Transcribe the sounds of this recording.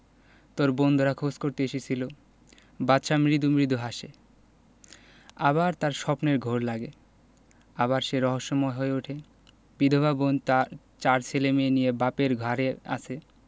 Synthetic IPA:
t̪oɾbond̪ʱoɾakʰoskoɾt̪eeʃet͡ɕʰilo | batːʃamɾid̪ʱumɾid̪ʱoɦaʃe | a̰baɾt̪aɾʃɔpneɾɡʱoɾlaɡe | aβaɾʃeɾɔɦoʃːomɔeɦoeuʈʰe | b̥id̪ʱobʱabon | t͡ɕaɾt͡ɕʰelemenijebapeɾɡʱaɾea̰t͡ɕʰe

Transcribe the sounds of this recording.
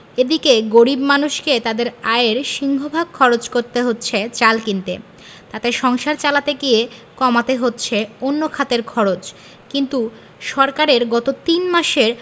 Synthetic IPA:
ed̪ikeɡoɾibmanuʃket̪ad̪eɾaeɾʃiŋɡʱobʱaɡ̚kʰɔɾot͡ɕkoɾt̪eɦotːɕʰet͡ɕalkint̪e | t̪at̪eʃɔŋʃaɾt͡ɕalat̪eɡiekɔmat̪eɦotːɕʰeonːokʰat̪eɾkʰɔɾot͡ɕ | kint̪u | ʃɔɾkaɾeɾɡɔt̪ot̪inmaʃeɾ

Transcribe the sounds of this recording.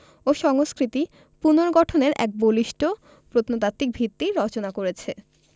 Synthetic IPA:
oʃɔŋoskɾit̪i | punoɾɡɔʈʰoneɾʔɛ̰k̚boliʃʈo | pɾot̪not̪at̪ːik̚bʱit̪ːiɾɔt͡ɕonakoɾet͡ɕʰe

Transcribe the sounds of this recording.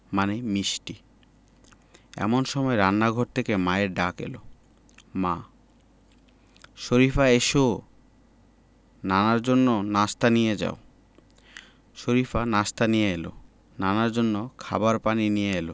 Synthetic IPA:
manemiʃʈi | ɛ̰monʃɔmɔeɾanːaɡʱɔɾt̪ʰekemaeɾɖakḛlo̰ | mã | ʃoɾifaeʃo | nanaɾd͡ʑonːonast̪anijed͡ʑa̰o | ʃoɾifanast̪anijeelo̰ | nanaɾd͡ʑonːokʰa̰baɾpaninijeelo

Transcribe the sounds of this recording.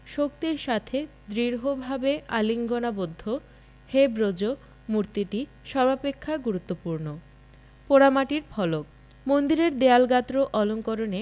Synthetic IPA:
ʃok̚t̪iɾʃat̪ʰe | d̪ɾiɾɦobʱabeʔaliŋɡonabod̪ʱːo | hebɾod͡ʑo | muɾt̪iʈi | ʃɔbʱapekʰːaɡuɾut̪ːopuɾno | poɾamaʈiɾpʰɔlok̚ | mond̪iɾeɾd̪ealɡat̪ɾoʔɔloŋkoɾone

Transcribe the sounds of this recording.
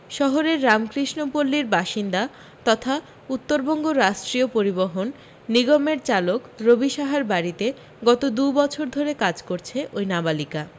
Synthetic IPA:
ʃɔɦoɾeɾːamkɾiʃnopolːiɾbaʃind̪a | t̪ɔt̪ʰa | ut̪ːoɾbɔŋɡoɾaʃʈɾiopoɾiboɦonː | iɡɔmeɾt͡ɕalokɾobiʃaɦaɾbaɾit̪e | ɡɔt̪od̪ubɔt͡ɕʰoɾd̪ʱoɾekad͡ʑkoɾt͡ɕʰeʔojnabalika

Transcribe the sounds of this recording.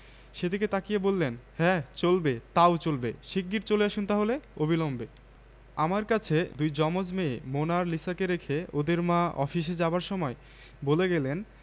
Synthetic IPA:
ʃed̪iket̪akiebolːenhɛt͡ɕolbet̪aot͡ɕolbeʃik̚ɡːiɾt͡ɕoleaʃunt̪aɦoleobʱilombe | amaɾkat͡ɕʰed̪ujd͡ʑɔmod͡ʑmeemonaɾlisakeɾekʰeod̪eɾmãɔ̰fiʃ̬ed͡ʑabaɾʃɔmɔe | boleɡɛlen

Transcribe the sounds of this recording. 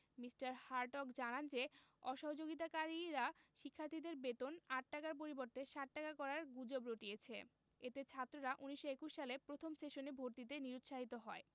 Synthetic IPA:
misʈaɾhaɾʈɔkd͡ʑanand͡ʑeɔʃɔɦod͡ʑoɡit̪̬akaɾiɾaʃikʰːaɾt̪ʰid̪eɾbet̪onaʈ̚ʈakaɾp̬oɾiboɾt̪eʃaʈ̚ʈakakɔɾaɾɡud͡ʑobɾoʈiet͡ɕʰḛ | et̪et͡ɕʰat̪ːɾoɾaʔuniʃoekuʃʃalepɾot̪ʰomsʈeʃonebʱoɾt̪it̪̬eniɾut̪ːʃaɦit̪oɦɔe

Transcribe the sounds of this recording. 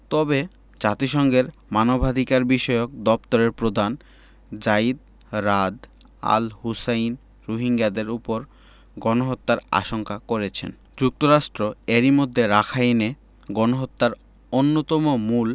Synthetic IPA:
t̪ɔbe | d͡ʑat̪iʃɔŋɡeɾmanobʱad̪ʱikaɾbiʃɔeok̚d̪ɔpt̪oɾeɾpɾod̪ʱan | d͡ʑaid̪ | ɾad̪ | a̰lɦusajn | ɾoɦiŋɡad̪eɾupoɾ | ɡɔnoɦot̪ːaɾa̰ʃoŋkakoɾet͡ɕʰḛn | d͡ʑuk̚t̪oɾaʃʈɾoeɾimod̪ʱːeɾakʰajne | ɡɔnoɦot̪ːaɾ | onːot̪ɔmomul

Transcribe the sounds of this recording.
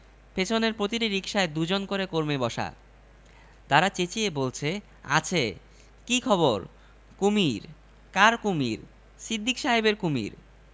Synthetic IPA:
pet͡ɕʰoneɾpɾot̪̬iʈiɾikʃaed̪ud͡ʑonkoɾekoɾmebɔʃa̰ | t̪aɾat͡ɕet͡ɕiebolt͡ɕʰe | a̰t͡ɕʰe | kikʰɔboɾ | kumiɾ | kaɾkumḭɾ | sid̪ʱːikʃaɦibeɾkumḭɾ

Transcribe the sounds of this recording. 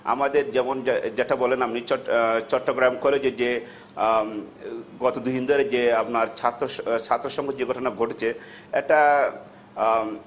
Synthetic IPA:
a̰mad̪eɾd͡ʑɛmond͡ʑeʈabɔlenamniɔt͡ɕɔʈːoɡɾamkoled͡ʑed͡ʑe | ɡɔt̪od̪uɦind̪oɾed͡ʑeapnaɾt͡ɕʰat̪ːɾot͡ɕʰat̪ːɾoʃɔŋɡʱed͡ʑeɡʱɔʈonaɡʱoʈet͡ɕʰe | ɛ̰k̚ʈa

